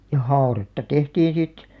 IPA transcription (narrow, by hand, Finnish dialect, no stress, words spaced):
jɑ hɑoretːɑ tehtiːĩ sit